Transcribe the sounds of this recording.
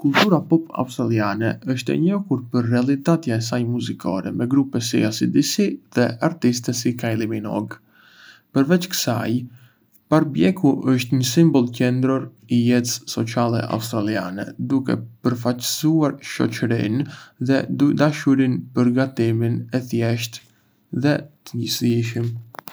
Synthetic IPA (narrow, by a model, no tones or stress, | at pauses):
kult̪uɾapɔpa̰ust̪ɾalianɛəʃt̪ɛ̰ɲɔkuɾpəɾːɛalˠit̪at̪jaɛs̬ajmuzikʰɔ̰ɾɛmɛɡɾupɛsḭasid̪isiðɛaɾt̪ist̪ɛsikailˠiminɔ̰ɡ | pəɾvɛt͡ʃkə̥sa̰j | paɾbjɛkuʔəʃt̪ɲəsimbɔlˠcɛnd̪ɾɔɾ | ijɛt̪ssɔt͡salɛ̰ʔa̰ust̪ɾalia̰nɛ̰d̪ukɛ̰pəɾfat͡ʃə̥suaɾʃɔ̰t͡ʃəɾḭnðɛd̪ud̪aʃuɾinpəɾɡat̪iminɛθjɛʃt̪ | ðɛt̪əɲisiʃim